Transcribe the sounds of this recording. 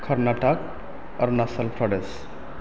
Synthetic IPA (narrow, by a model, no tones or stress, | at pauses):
kʰəɾnaʈək | ʌ̰ɾnasəlpʰɾəɖes